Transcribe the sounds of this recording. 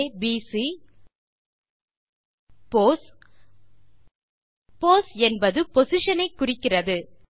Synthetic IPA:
biːsi | pos | poːsɛnbɐðɯpɔsɪʂɐnɐɪkːʊrɪkːɪrɐðɯ

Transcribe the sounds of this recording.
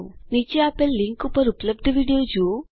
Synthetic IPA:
nit͡ʃːiaːpelːiŋkupɐɾuplɐb̚d̪ɐʋiːɖijoːd͡ʒu

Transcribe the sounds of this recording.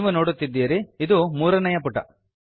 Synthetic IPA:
ʋuno̞ːɽut̪ːid̪ːiːɾiid̪umuːɾɐnɐjɐpuʈːɐ̰

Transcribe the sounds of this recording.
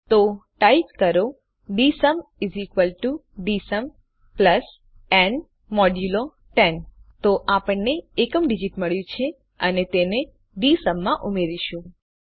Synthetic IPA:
t̪oʈaipkəɾo | ɖisəmizikʋəlʈuɖisəm | pləs | ɛn | mɔɖjulo | ʈent̪oʔapəɳneːkəmɖid͡ʒiʈməɭjũt͡ʃʰe | ənet̪ene | ɖisəmːãʔumeɾiʃũ

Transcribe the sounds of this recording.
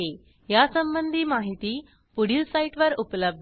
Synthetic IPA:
e | jasəmbənd̪ʱiːmaɦit̪iː | puɽiːlsaiʈʋəɾupləb̚d̪

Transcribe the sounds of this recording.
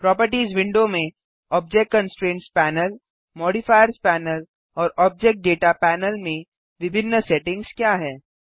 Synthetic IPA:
pɾɔːpəɾʈiːzʋɪ̃ɳɖomẽ | ɔːb̚d͡ʒɛk̚kɐ̃nsʈɾẽːnʈspɛːnəl | mɔːɖɪfaːjəɾspɛːnəl | ɔːɾɔːb̚d͡ʒɛk̚ʈ̚ɖeːʈapɛːnəlmẽ | ʋɪbʱɪnːəsɛʈɪ̃ŋɡskjaːɦɛː

